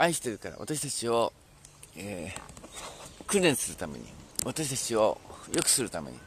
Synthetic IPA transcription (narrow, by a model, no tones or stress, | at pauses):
aiɕi̥t̪e̞ɾɯ̟kaɾa̰βa̰t̪aɕ̬i̥t̪at͡ɕio̞ | e | kɯɾẽ̞ɰ̃sɨɾɯ̟t̪ame̞̰ɲ̟ḭβat̪aɕi̥t̪at͡ɕio̞jo̞kɯ̟̥sɨɾɯ̟t̪ame̞̰ɲ̟ḭ